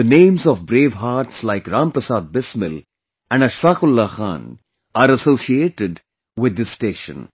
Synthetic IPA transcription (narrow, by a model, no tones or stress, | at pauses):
dənẽːmzɔʋbɾeːʋɦaːɾʈslaɪkɾãːmpɾəsaːd̪̚bɪsmɪl | æ̃ɳɖəʃfaːkʊlːaxã̰ːn | aːɾəsoːsieːʈɪɖ | wɪd̪ːɪsːʈeːʃə̰̃n